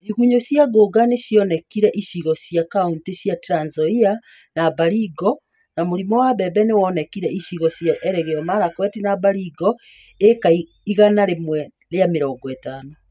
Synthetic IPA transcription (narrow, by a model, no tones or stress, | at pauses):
iɣuɲoɕjaɡoɡaneɕjɔnɛkiɾɛʔiʃiɣɔsjakauntesjatɾanzɔia | nabaɾiɡɔ | namoɾimɔwabɛbɛnewɔːnɛkiɾɛiɕiɣɔsjaʔɛɾɛɣeɔmaɾakwɛtinabaɾiɡɔ | ekai | iɣanaɾemwɛ | ɾeameɾɔːŋɡɔɛtanɔ